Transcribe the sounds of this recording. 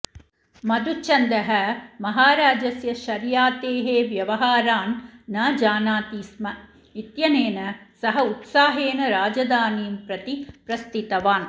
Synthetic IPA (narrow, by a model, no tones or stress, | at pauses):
mɐd̪ut͡ʃɐnd̪ɐɦɐmɐɦaːɾaːd͡ʒɐsjɐʃɐɾjaːt̪eːɦeːʋjɐʋɐɦaːɾaːnːɐd͡ʒaːnaːt̪iːsmɐ | it̪jɐneːnɐsɐɦɐut̪saːɦeːnɐɾaːd͡ʒɐd̪aːniːmpɾɐt̪ipɾɐst̪it̪ɐʋaːn